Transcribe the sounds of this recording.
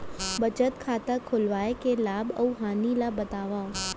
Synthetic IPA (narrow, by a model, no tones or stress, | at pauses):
bɐt͡ʃət̪kʰaːt̪əkʰʊlʋaːekelaːbɐ̰uɦaːnilabɐt̪aːʋa